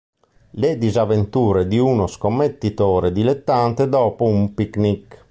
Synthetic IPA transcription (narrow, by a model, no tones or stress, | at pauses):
led̪izavent̪uːɾed̪iunoskomːet̪ːit̪ɔːɾed̪ilet̪ːant̪ed̪ɔːpoumpiknik